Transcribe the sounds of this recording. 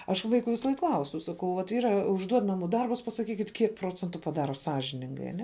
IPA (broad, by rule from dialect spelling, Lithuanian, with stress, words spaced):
ɐʃ ˈʋɐɪkʊ ˈʋʲɪsɐˈlˠɐɪk ˈklˠɐʊsʲʊ sɐˈkɐʊ ʋɐt ˈiːrɐ ʊʒˈduɔt ˈnɑːmuː ˈdɐrbʊs pɐsɐˈkʲiːkʲɪtʲ ˈkʲiɛk ˈproːt͡sʲɛntʊ pɐˈdɑːroː ˈsɑːʒʲɪnʲɪŋɡɐɪ ɐˈnʲɛ sɑːʒʲɪnʲɪŋɡɐɪ